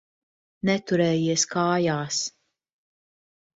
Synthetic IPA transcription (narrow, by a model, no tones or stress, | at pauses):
nɛt̪uɾɛːjiɛskaːjaːs